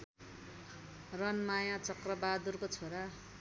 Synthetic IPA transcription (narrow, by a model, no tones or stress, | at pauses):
rʌnmajãt͡sʌkrʌbad̪urkot͡sʰoɾa